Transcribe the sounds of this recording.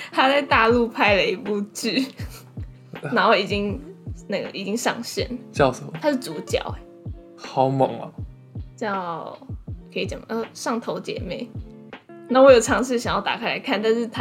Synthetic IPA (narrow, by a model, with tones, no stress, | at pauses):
t̪ʰa˥t͡sa˥˧ɪt̪a˥˧lu˥˧pʰa˥ɪlə˨i˧˥pu˥˧ʈ͡ʂ̩˥˩ | na˧˥nxo˥˩i˨˩t͡ɕi˥ŋna˥˩ɡə̰˩ʔi˨˩t͡ɕi˥ŋʂɑ˥˧ŋɕjɛ̰˥˩nt͡ɕjɑ˥˩ʊə˨˩mʰa˥ʂɻ̩˥˩t͡su˧˥t͡ɕjɑ̰˨˩˦ʊ | xɑ˨˩˥ʊmɤ̰˨˩˦ŋɐ̰˦ | t͡ɕjɑ˥˩ | kʰi˨˩t͡sə˨˩mə˧˦˥ʂɑ˥˩ŋt̪ʰo˧˥ʊt͡ɕjɛ̰˧˥˦me˥˩ɪ | na˥˩wɔ˧˥jo˨˩ʊʈ͡ʂʰɑ˧˥ŋʂɻ̩˥˩ɕɑ˨˩ŋjɑ˥˩t̪a˨kʰɪla˧˥ɪa˥˩nt̪a˥˧nʂɻ̩˥˧t̪ʰa˥